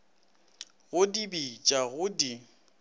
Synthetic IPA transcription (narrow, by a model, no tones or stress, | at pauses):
ɣʊdibit͡ʃʼaɣʊdi